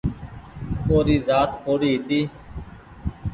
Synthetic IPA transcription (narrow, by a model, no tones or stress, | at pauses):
koːɾiːzaːt̪kʰoːɽiːɦt̪iː